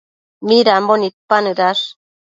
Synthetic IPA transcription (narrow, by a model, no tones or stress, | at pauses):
miɾambonit̪̚panɯɾaʃ